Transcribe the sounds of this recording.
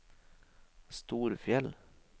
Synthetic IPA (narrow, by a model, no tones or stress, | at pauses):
st̪uːɾfjɛl